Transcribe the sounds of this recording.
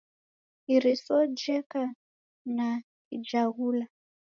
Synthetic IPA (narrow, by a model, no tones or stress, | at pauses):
ɦiɾisɔd͡ʒɛka | na | id͡ʒaɦuːla